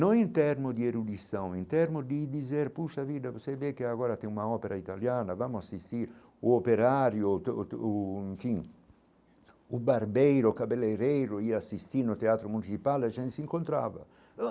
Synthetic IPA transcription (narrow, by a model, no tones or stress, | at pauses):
nɔ̃ŋint̪ɛɾmʊd̪ieɾud̪isɔ̃wint̪ɛɾmʊd̪id̪izɛɾpuʃavid̪avosevekeaɡɔːɾat̪ɛŋunaɔpeɾait̪aljaːnavamʊasːist̪iɾ | uopeɾaɾjo | iɱfiŋ | ubaɾbɛjɾʊkapelːejɾɛjɾʊiasist̪inʊt̪eaːt̪ɾomunit͡ʃipalɛt͡ʃɛnsiŋkont̪ɾa̰ːva̰